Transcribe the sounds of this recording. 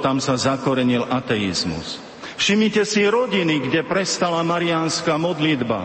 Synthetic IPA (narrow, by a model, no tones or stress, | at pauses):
t̪amsazakɔɾɛɲilʔat̪ɛḭzmṵs | fʃimɲicɛsiɾɔɟiniɡɟɛpɾɛst̪alamaɾianskamɔd̪lid̪ba̰